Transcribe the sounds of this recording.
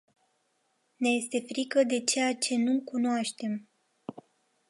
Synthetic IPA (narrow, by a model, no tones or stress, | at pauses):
ne̞je̞st̪e̞fɾikəd̪e̞t͡ʃe̞jat͡ʃe̞nukunoaʃt̪e̞m